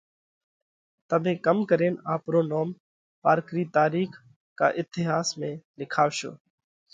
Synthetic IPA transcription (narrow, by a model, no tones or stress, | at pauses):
t̪əmẽːkəmkəɾeːnaːpɾoːnoːm | paːɾkɾiːt̪aːɾiːx | ka̰ːʔɪt̪ɪɦaːsmẽːlɪkʰaːʋʃo̰ː